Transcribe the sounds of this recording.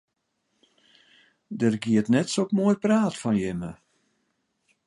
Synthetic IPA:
dərɡiətnɛtsokmoəjpraːtfɔnjɪmə̰

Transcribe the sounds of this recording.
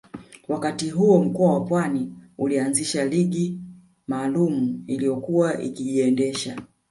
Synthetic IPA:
wakatiɦuɔm̩kɔawapwaniulianziʃaliɠi | maːlumuilijɔkuwaʔḭkiʄiɛndɛʃa

